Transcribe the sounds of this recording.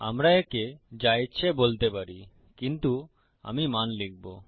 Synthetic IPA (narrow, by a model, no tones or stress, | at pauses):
a̰mɾaeked͡ʑajt͡ɕʰebolt̪epaɾi | kint̪u | a̰mimanlik̚bo